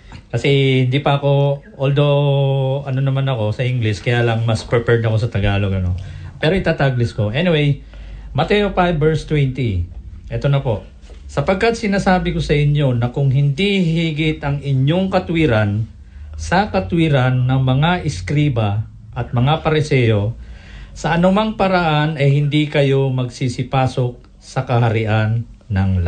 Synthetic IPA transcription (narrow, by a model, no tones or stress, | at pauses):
kɐsɛhɪnd̪iːpɐɐko̞ʔoːld̪o̞ | ɐno̞nɐmanɐko̞sɐʔɪŋɡlɪskɐjaːlɐŋmɐspɛpɛɹd̪ɐko̞sɐt̪ɐɡaːloɡɐno̞̰pɛːɾoʔɪt̪aːt̪aɡlɪsko̞ʔɛnɪwej | mɐt̪ɛʔopajbɛɹst̪wɛnt̪iʔɛt̪o̞nɐpo̞ʔ | sɐpɐɡ̚kat̪̚sɪnaːsaːbɪko̞sɐʔɪɲjo̞nɐkʊŋɦɪnd̪ihiɡɪt̪ɐŋɪɲo̞ŋkɐt̪wiɾan | sɐkɐt̪wiɾanːɐŋmɐŋaʔɪskɾiːbɐ | ʔɐt̪̚mɐŋapɐɾɪsɛjo̞ | sɐʔɐnʊmaŋpɐɾɐʔanɐjhɪnd̪ikɐjo̞mɐɡsisɪpaːso̞k̚ | sɐkɐhɐɾɪʔanːɐŋl